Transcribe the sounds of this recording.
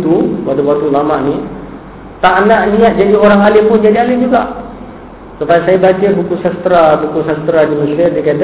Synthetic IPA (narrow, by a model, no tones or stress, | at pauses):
t̪upadabwat̪ulamaʔni | t̪aʔnaʔnĩat̪̚d͡ʒadioɾaŋalɪmpʊnd͡ʒadialɪnd͡ʒuɡaʔ | supajasajabat͡ʃabukusast̪ɾabukusast̪ɾadiməsɪrdikad